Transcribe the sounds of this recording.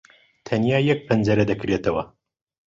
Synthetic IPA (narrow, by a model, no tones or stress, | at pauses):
t̪ʰɐnjaːjɐk̚pʰɐnd͡ʒɐɾɐd̪ɐkɾet̪ɐwɐ